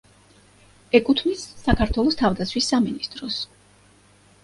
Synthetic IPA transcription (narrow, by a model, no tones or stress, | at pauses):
ɛkʼut̪ʰmisːakʰaɾt̪ʰwɛlˠɔst̪ʰavd̪at̪sʰwisːaminist̪ʼɾɔs